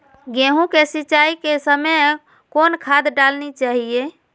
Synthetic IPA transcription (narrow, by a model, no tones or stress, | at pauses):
ɡẽɦũkesiːt͡ʃaikesəməj | konkʰad̪ɖalnit͡ʃaɦie